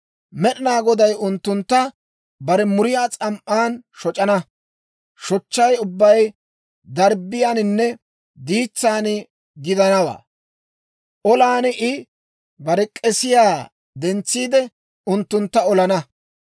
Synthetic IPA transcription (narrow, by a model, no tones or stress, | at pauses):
mɛɗɪnaːɡɔd̪ɐjʊnt̪ːʊnt̪ːɐ | bɐɾɛmʊɾɪjaːt͡sʼɐmʔaːnʃɔt͡ʃʼɐnɐ | ʃɔt͡ʃːɐjʊbːɐj | d̪ɐɾbːɪjaːnɪnːɛ | d̪iːt͡sːaːnɪ | ɡɪd̪ɐnɐwa̰ː | ʔɔlaːnʔɪ | bɐɾɛkʼɛsɪjaː | d̪ɛnt͡sːiːd̪ɛ | ʊnt̪ːʊnt̪ːɐɔlɐnɐ